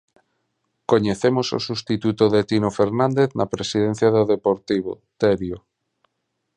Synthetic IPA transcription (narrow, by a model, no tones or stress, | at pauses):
koɲeθemoso̰sust̪it̪ut̪oðet̪inofeɾnãnd̪eθnapɾesiðen̟θjaðoðepoɾt̪iβ̞o̰ | t̪eɾjo